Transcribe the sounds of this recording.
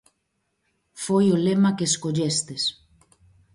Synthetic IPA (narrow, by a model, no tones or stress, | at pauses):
fojolemakeːskoʎest̪es